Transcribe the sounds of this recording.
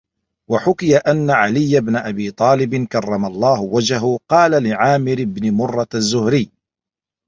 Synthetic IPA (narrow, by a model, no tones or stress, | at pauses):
waħʊkɪjaʔanːaʕalɪjːabnaʔabiːt̪ˤɑːlɪbɪnkɑrˤːɑmalˤːɑːhʊwad͡ʒaɦʊqɑːlalɪʕaːmɪɾɪbnɪmʊrˤːɑazːʊhɾɪjː